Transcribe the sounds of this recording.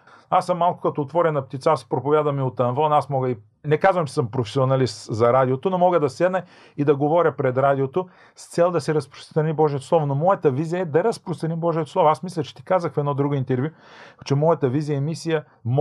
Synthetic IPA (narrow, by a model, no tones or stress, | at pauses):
asːəmːalˠkʊ̥kɐt̪oːt̪vɔɾɛnɐp̚t̪it̪saspɾopʊvʲjad̪vɐmiot̪ɐnvɔnasmɔɡəi | nɛkazvɐmt͡ʃɛsəmpɾofɛsʲionɐlist̪zɐɾad̪iot̪onomɔɡəd̪ɐsɛd̪nə | id̪ɐɡovɔɾʲəpɾɛd̪ɾad̪ʲiot̪o | st̪sɛlˠd̪ɐsɛɾɐspɾo̥st̪ɾɐnibɔʒijət̪oslˠɔvʊnomɔjət̪əvizijəɛd̪ɐɾɐspɾost̪ɾɐnimbɔʒijət̪oslˠɔvoasmislʲɐt͡ʃɛ̥t̪i̥kazəxfɛd̪nɔd̪ɾuɡoint̪ɛɾvʲju | t͡ʃɛmɔjət̪əvizijəɛmisijə | m